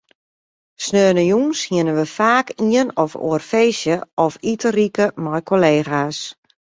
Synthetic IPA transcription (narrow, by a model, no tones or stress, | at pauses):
snøːnəjuŋshiɪənənʋəfaːkʰiənɔfo̰ərfeːsjəʔɔfitərikəmɔjkʰoleːxas